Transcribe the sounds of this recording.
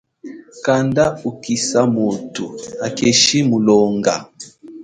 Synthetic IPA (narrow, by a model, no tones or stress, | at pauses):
kandaukisamotuakɛʃimulɔŋɡa̰